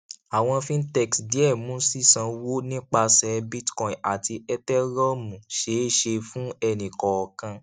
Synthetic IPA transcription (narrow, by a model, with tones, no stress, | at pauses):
a˨w̃ɔ̃˧fĩ˦n̩˦tɛ˦˨ksdi˨˦ɛ˦˨mũ˨˦si˦˨sã˧wo˦nĩ˦k͡pa˧sɛ˨˦bi˦tkɔ̃˨a˨ti˧ɛ˦tɛ˦ɾɔ˦mũ˨ʃe˨˦˨ʃe˧fũ˦ɛ˧˨nĩ˨kɔ˨ɔ˨kã˧